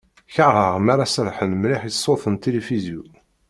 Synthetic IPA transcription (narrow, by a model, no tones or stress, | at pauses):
çəʁəʁmaɾasəɾħənmlɪħjəsˤːoθənt̪elefizju